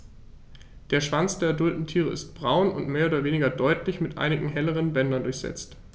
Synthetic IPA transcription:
d̥eːɐʃv̥ant͡sd̥eːɐɛɐdʊltn̩tʰiːʁə̰ʔɪ̰st̚b̥ʁaʊnʊ̰ntmeːɐoːdɐveːnɪɡɐdɔʏtʰlɪçmɪtʔa̰ɪnɪɡŋ̩ɦɛləʁ̞ənbɛndɐndʊɐçz̥ɛ̰t͡st

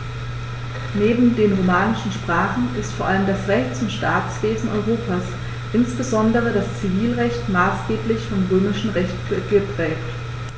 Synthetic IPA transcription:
neːbm̩deːnʁomaːnɪʃn̩ʃpʁ̥aːχn̩ɪstfoːɐʔaləmdasʁɛçt͡sʊntʃtʰaːt͡sv̥eːzn̩ʔɔ̰ʏʁoːpʰas | ʔɪnsb̥əzɔndəʁ̞ədast͡siviːlʁɛçtmaːsɡ̥eːplɪçfɔmʁøːmɪʃn̩ʁɛçtəɡ̥əpʁ̥ɛːkt

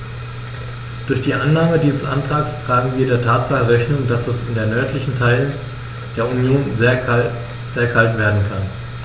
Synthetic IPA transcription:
d̥ʊɐçd̥iːʔanːaːmədiːzəsʔa̰ntʁ̥aːkstʁ̥aːɡŋ̩viːɐdeːɐtʰaːtz̥aχəʁɛçnʊŋdasɛsɪndeːɐnœɐtʰlɪçn̩tʰaɪlən | d̥eːɐʔunjoːnzeɐ | z̥eːɐkʰaltv̥eːɐdn̩kʰan

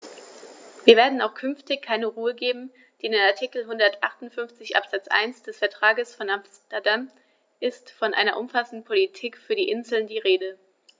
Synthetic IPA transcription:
viːɐveːɐdn̩aʊxkʰʏnftɪçkʰːaɪnəʁuːəɡeːbm̩ | d̥iːɪndeːnaɐtʰikl̩ɦʊndɐtʔa̰χtʊntfʏnft͡sɪçʔa̰pz̥at͡sʔa̰ɪnsd̥ɛsfɛɐtʁ̥aːɡəsfɔnamstɐdam | ʔɪstfɔnʔa̰ɪnɐʔʊmfasn̩dn̩pʰolitʰiːkfyːɐɾiːʔɪnzl̩ndiːʁeːdə

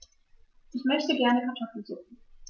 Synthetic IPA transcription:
ʔɪçmœçtəɡɛɐnəkʰaɐtʰɔfl̩zuːχn̩

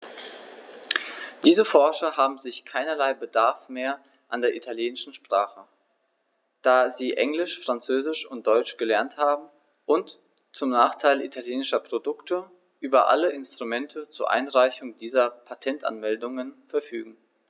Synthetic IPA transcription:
d̥iːzəfɔɐʃɐɦaːbm̩zɪçkʰaɪnɐlaɪbədaɐfmeːɐ | ʔandeːɐʔitʰaljeːnɪʃn̩ʃpʁ̥aːχə | d̥aːziːʔɛŋlɪʃfʁ̥ant͡søːzɪʃʊnt̚d̥ɔʏt͡ʃɡ̥əlɛɐnthaːbm̩ | ʔʊnt | t͡sʊmnaːχtʰaɪlʔitʰaljeːnɪʃɐpʁ̥odʊktə | ʔyːbɐʔa̰ləʔɪnstʁ̥umɛntʰət͡suːɐʔa̰ɪnʁaɪçʊŋd̥iːzɐpʰatʰɛnta̰nmɛldʊŋənfɛɐfyːɡŋ̩

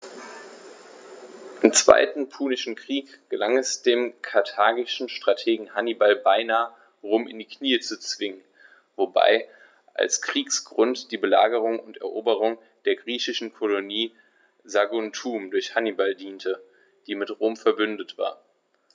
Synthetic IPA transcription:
ʔɪmt͡sv̥a̰ɪtn̩pʰuːnɪʃn̩kʁ̥iːkɡ̥əlaŋɛsd̥eːmkʰaɐtʰaːɡɪʃn̩ʃtʁ̥atʰeːɡŋ̩hanibalbaɪnaːə | ʁoːmɪ̰ndiːkʰniːət͡sut͡sv̥ɪŋən | voba̰ɪ | ʔa̰lskʁ̥iːksɡ̥ʁʊntd̥iːbəla̰ːɡəʁ̞ʊŋʊntɛ̰ɐʔoːbəʁ̞ʊŋ | d̥eːɐɡʁiːçɪʃn̩kʰoloniː | zaɡʊntʰuːmdʊɐçhanibaldiːntʰə | d̥iːmɪtʁoːmfɛɐbʏndətv̥a̰ːɐ

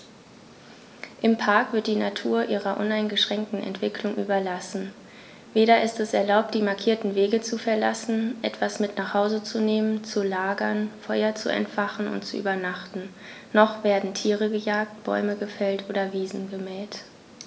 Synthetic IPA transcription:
ʔɪmpʰaɐkv̥ɪɐt̚d̥iːnatʰuːɐʔiːʁɐʔʊnaɪnɡəʃʁ̥ɛŋk̚tn̩ɛ̰ntv̥ɪkʰlʊŋʔy̰ːbɐlasn̩ | veːɾɐɪstɛsɛɐlaʊp̚t̚d̥iːmaɐkʰiːɐtn̩veːɡət͡sufɛɐlasn̩ʔɛtv̥asmɪtnaχhaʊzət͡suneːmənt͡sulaːɡɐnfɔʏɐt͡sṵʔɛ̰ntfaχn̩ʊ̰ntt͡suʔy̰ːbɐnaχtn̩ | nɔχv̥eːɐdn̩tʰiːʁəɡəjaːk̚t̚b̥ɔ̰ʏməɡəfɛltʔoːɾɐviːzn̩ɡəmɛlt

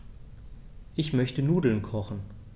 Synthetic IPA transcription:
ʔɪçmœçtənuːdl̩nkʰɔχn̩

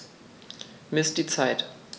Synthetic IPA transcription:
mɪst̚d̥iːt͡saɪt

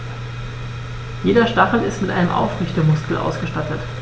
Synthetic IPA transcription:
jeːdɐʃtaχl̩ɪstmɪtʔa̰ɪnəmʔa̰ʊfʁʏçtəmʊskl̩ʔa̰ʊsɡ̥əʃtatət

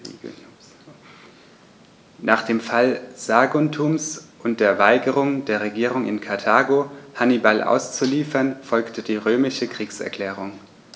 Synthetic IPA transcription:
nʔaːχd̥eːmfalz̥aːɡuntʰuːmsʔʊnt̚d̥eːɐvaɪɡəʁ̞ʊŋdeːɐʁ̞eɡiːʁ̞ʊŋɪ̰nkʰaɐtʰaːɡohanibalʔa̰ʊst͡suliːfɐnfɔlktʰədiːʁøːmɪʃəkʁ̥iːksɛ̰ɐkʰl̥ɛːʁ̞ʊŋ

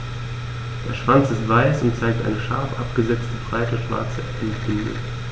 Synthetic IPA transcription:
d̥eːɐʃv̥ant͡sɪstv̥aɪsʊntt͡saɪk̚tʔa̰ɪnəʃa̰ɐfʔapɡ̥əzɛt͡stəfʁ̥aɪtəʃv̥a̰ɐt͡sə | ɛntb̥ɪndʊ̰

